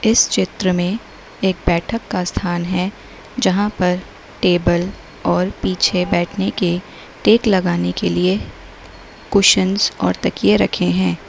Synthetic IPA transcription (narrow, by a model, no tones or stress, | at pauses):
ɪst͡ʃɪt̪ɾəmẽ | eːk̚bɛːʈʰəkːast̪ʰaːnɦɛ | d͡ʒɐɦãpɐɾ | ʈeːbəl | ɔːɾpiːt͡ʃʰebɛːʈʰneke | ʈeːklɐɡaːnekelie | kʊʃənzɔ̰ːɾt̪ɐkijeɾɐkʰeɦɛ̃ː